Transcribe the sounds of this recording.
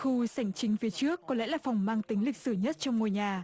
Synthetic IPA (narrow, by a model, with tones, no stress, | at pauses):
xu˧sa˧˩jŋ̟t͡ɕï˨˦ŋ̟fi˨˦ət͡ɕɨ˦˥əkkːɔ˨˦lɛ̰˧˥laː˨˩fa˨˩wŋ͡mmaː˧ŋt̪ï˨˦ŋ̟lï˨˩k̟̚sɨ˧˩ɲə˦˥t̚t͡ɕɔ˧wŋ͡mŋo˨˩jɲaː˨˩